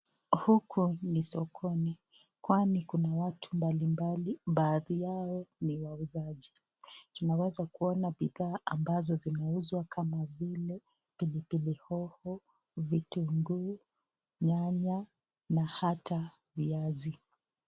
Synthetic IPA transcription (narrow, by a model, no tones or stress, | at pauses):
hukʰunisɔkʰɔni | kwanikunawatʰu̥mbalimbaliɓaːðijaɔniwauzaʄi | tunawɛzakuɔnaɓiðaːʔambazɔzinauzwakʰamavilɛ | pilipilihɔhɔ | vituŋɡuː | ɲaɲa | nahata | viazi